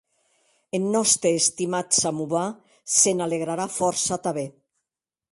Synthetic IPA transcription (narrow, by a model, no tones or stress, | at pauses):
enːɔst̪ɾeːst̪imat̪samuβa | senaleɣɾaɾafɔɾsat̪aβe